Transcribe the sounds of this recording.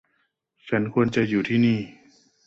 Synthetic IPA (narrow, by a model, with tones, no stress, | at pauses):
t͡ɕʰa˦˥nkʰu˧ənt͡ɕa˨juː˨˩t̪ʰiː˥˩niː˥˩